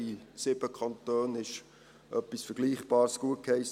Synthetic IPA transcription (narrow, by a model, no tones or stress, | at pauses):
isɪbəkʰɑnt̪øːnɪʃ | ʔœpːisfəɾɡ̥liːχb̥ɑːɾsɡ̥uət̚khɛɪs